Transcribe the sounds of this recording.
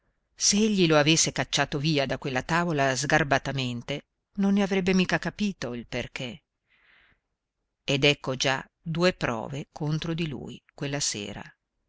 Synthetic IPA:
seeʎːiloavesːekat͡ʃːaːt̪oviːad̪akwelːat̪aːvolazɡarbat̪ament̪e | nonːeavɾɛbːemiːkakapiːt̪oilperk̟e | ed̪ɛkːod͡ʒa | d̪uːepɾɔ̰ːvekʰont̪ɾod̪ilṵːjkwelːasḛːɾa̰

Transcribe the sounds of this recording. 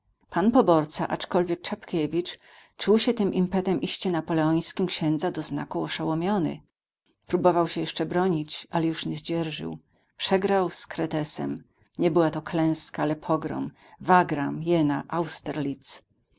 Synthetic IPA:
panpɔbɔɾt̪sa̰ʔat͡ʂkɔlvʲjɛk̚t͡ʂapkʲɛvʲit͡ʂ | t͡ʂuwɕɛt̪ɘmʔimpɛt̪ɛmʔiɕt͡ɕɛnapɔlɛɔj̃skʲimkɕɛnd̪zad̪ɔzna̰kuɔʂawɔmʲjɔnɘ̰ | pɾubɔvawɕɛjɛʂt͡ʂɛbɾɔɲit͡ɕalɛjuʂɲɛzd͡ʑɛɾʐɘ̰w | pʂɛɡɾawskɾɛt̪ɛsɛ̰m | ɲɛbɘwat̪ɔklɛ̃w̃skaalɛpʰɔɡɾɔ̰m | vaɡɾamjɛnaʔawst̪ɛɾlʲit̪s

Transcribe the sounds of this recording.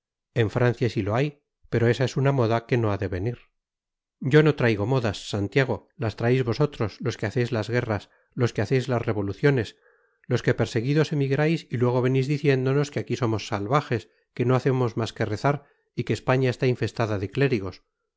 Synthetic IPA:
e̞ɱfɾan̟θjasilo̞aj | pe̞ɾo̞e̞sae̞sunamo̞ðake̞no̞aðe̞βe̞niɾ | ɟ͡ʝo̞no̞t̪ɾajɣo̞mo̞ðasːant̪jaɣ̞o̞last̪ɾaejzβo̞so̞t̪ɾo̞slo̞ske̞aθe̞jzlazɣe̞ras | lo̞skeaθe̞jzlazre̞βo̞luθjo̞ne̞s | lo̞ske̞pe̞ɾse̞ɣiðo̞se̞miɣɾajsilwe̞ɣ̞o̞βe̞nizðiθje̞nd̪o̞no̞skeakiso̞mo̞sːalβaxe̞s | ke̞no̞aθe̞mo̞zmaske̞re̞θaɾ | ikeːspaɲaest̪aiɱfe̞st̪aðaðe̞kle̞ɾiɣ̞o̞s

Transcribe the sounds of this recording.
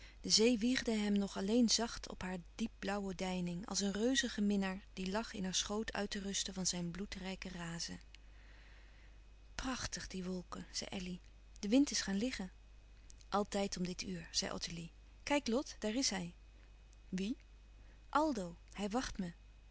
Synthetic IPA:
d̥əzejʋiχdəɦɛmnɔχɑlejnzɑχtʰɔ̰pɦaːɹdip̚blʌwədɛjnɪŋɑ̰lˠs̬ənrøɥzəχəmɪnəɹd̥ilɑχɪnɦaːɹsχowtʰœ̰ɥtərɵstəvɑnzɛjnblutrɛjkəraːzə̰ | prɑχtəχdiʋɔlˠkəz̥ɛ̰jʔɛli | d̥əʋɪntɪsχaːnlɪχən | ʔɑlˠtɛjtɔmdɪtyːɹz̥ɛjʔɔ̰təli | kɛjklɔtd̥aːɹɪsɦɛj | ʋi | ʔɑlˠdow | hɛjʋɑχtmə

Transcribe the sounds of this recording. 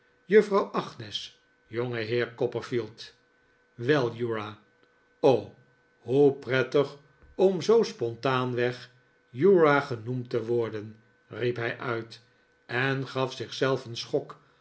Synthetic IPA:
jɵfrɑwʔɑχnɛs | joŋəɦɪːɹkɔpəɹfilˠt | ʋɛlˠjuɹa | ow | ɦuprɛtəχ | ɔmzowspɔntaːnʋɛχ | juɹaχənumtəʋɔɹdən | ripɦɛjʔœɥt | ʔɛnχɑfsɪχsɛlˠfənsχɔk

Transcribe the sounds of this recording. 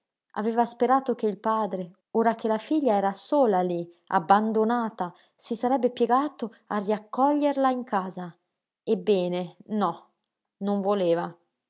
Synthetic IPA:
a̰vɛːvaspeɾaːt̪okeilpaːd̪ɾe | oːɾakelafiʎːaɛːɾasoːlali | a̰bːand̪onaːt̪a | sisaɾɛbːepjeɡaːt̪o | arːiakːɔʎːerlaiŋkaːza | ebːɛːnenɔ | noɱvoleːva

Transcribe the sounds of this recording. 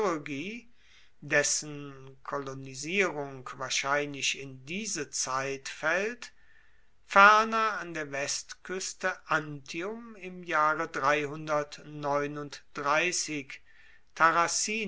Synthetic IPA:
ɡiː | dɛsənkʰoloniziːʁʊŋkv̥aːɐʃaɪnlɪʃɪndiːzət͡saɪtfɛlt | fɛɐnɐandeːɐvɛstkʰʏstəʔantʰiʊmɪmjaːʁədʁaɪhʊndɐtnɔʏnʊntd̥ʁaɪsɪk | tʰaʁasiː

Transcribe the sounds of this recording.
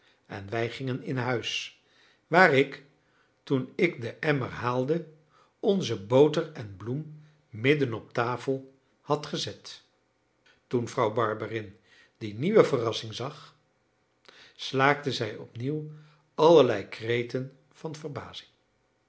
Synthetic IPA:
ɛ̰nʋɛjχɪŋənɪnɦœɥs | ʋaːrɪk | tunɪkdəʔɛmərɦaːlˠdə | ɔnzəbowtərɛnblum | mɪdənɔp̚taːfəlˠ | hɑtχəzɛt | tunvrɑwbɑɹbərɪn | diniʋəvərɑsɪŋzɑχ | slaːk̚təzɛjɔ̰pniw | ɑləɹlɛjkrejtən | v̥ɑnvərba̰ːzɪ̥ŋ

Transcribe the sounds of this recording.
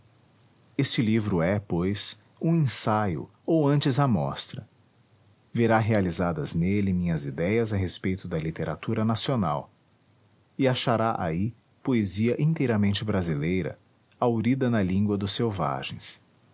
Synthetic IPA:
est͡ʃɪlivɾʊɛpojs | ũẽsajʊ̰ | owɐ̃nt͡ʃɪzɐmɔ̰st̪ɾɐ | veɾaɦealizad̪ɐznelɪmĩɲɐzid̪ɛjɐzɐɦespejt̪ʊd̪ɐlit̪eɾa̰t̪uɾɐnasiona̰w | ɪaʃaɾaʔa̰i | poeziɐʔĩnt̪ejɾɐmẽnt͡ʃɪbɾazilejɾɐ̰ | awɾid̪ɐnɐlĩŋɡwɐd̪ʊsewva̰ʒẽj̃s

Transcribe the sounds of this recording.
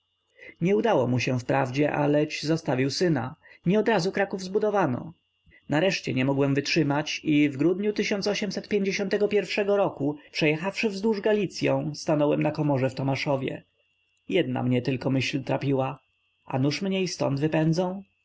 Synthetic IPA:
ɲɛud̪awɔmuɕɛ̃fpɾavd͡ʑɛʔa̰lɛt͡ɕzɔst̪avʲiwsɘna̰ɲɛɔd̪ɾazukɾakuvzbud̪ɔvanɔ̰ | naɾɛʂt͡ɕɛɲɛmɔɡwɛmvɘtʂɘmat͡ɕivɡɾud̪ɲut̪ɘɕɔnt̪sɔɕɛmsɛt̪̚pʲjeɲd͡ʑeɕɔnt̪ɛɡɔpʲjɛɾfʂɛɡɔɾɔkupʂɛjɛxafʂɘvzd̪wuʐɡalʲit̪sʲjɔ̃w̃st̪anɔwɛmnakɔmɔʐɛft̪ɔmaʂɔvʲjɛ̰ | jɛd̪̚na̰mɲɛt̪ɘlkɔmɘɕlt̪ɾapʲiwa | a̰nuʂmɲɛist̪ɔ̰nd̪vɘpɛnd̪zɔ̃w̃

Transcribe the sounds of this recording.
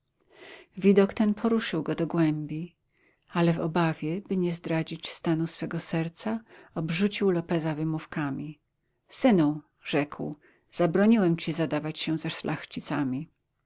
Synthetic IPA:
vʲid̪ɔkt̪ɛnpʰɔɾuʂɘwɡɔd̪ɔɡwɛmbʲi | alɛvɔ̰bavʲjɛbɘɲɛzd̪ɾad͡ʑit͡ɕst̪anusfɛɡɔsɛɾt̪saɔbʐut͡ɕiwlɔpɛzavɘmufkamʲi | sɘnu | ʐɛkw | z̥abɾɔɲiwɛmt͡ɕizad̪avat͡ɕɕɛzɛʂlʔaxt͡ɕit̪samʲi

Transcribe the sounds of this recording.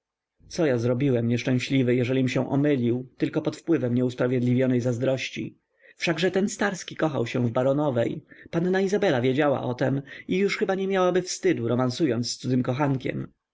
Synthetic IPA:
t̪sɔjazɾɔbʲiwɛmɲɛʂt͡ʂɛ̃w̃ɕlʲivɘjɛʐɛlʲimɕɛ̃ʔɔ̰mɘlʲiwt̪ɘlkɔpɔt̪fpwɘvɛmɲɛuspɾavʲjɛd̪lʲivʲjɔnɛjzazd̪ɾɔɕt͡ɕḭ | fʂaɡʐɛt̪ɛnst̪aɾskʲikɔxa̰wɕɛ̃vbaɾɔnɔvɛ̰jpanːaizabɛlavʲjed͡ʑawa̰ʔɔt̪ɛmijuʂxɘbaɲɛmʲjawabɘfst̪ɘd̪uɾɔmansujɔnt̪sst̪suzɘmkɔxaŋkʲɛ̰m

